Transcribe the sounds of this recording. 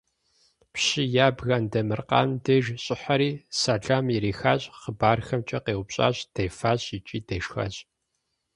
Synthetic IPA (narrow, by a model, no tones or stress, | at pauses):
pɕijaːbɣɐndɐmɨrqɑ̰ːndeːʒɕʼɪħɐɾiːsaːɮaːmjiɾiːxaːɕʼχəbaːrxɐmt͡ʃʼɐqeːwʷʊpɕʼa̰ːɕʼd̥ejfaːɕʼit͡ʃʼiːdeːʃxa̰ːɕʼ